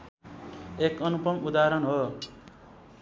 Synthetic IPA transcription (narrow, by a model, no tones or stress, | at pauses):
ekʌnupʌmud̪aɾʌnɦo